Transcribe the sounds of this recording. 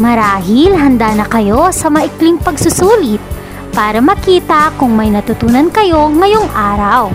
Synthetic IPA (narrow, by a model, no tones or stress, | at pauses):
mɐɾaːɦɪlɦɐnd̪aːnɐkɐjo̞sɐmɐʔɪklɪŋpɐɡsʊsuːlɪt̪̚ | paːɾɐmɐkiːt̪ɐkʊŋmɐjnɐt̪ʊt̪uːnɐnkɐjo̞ŋɐjoŋʔaːɾɐw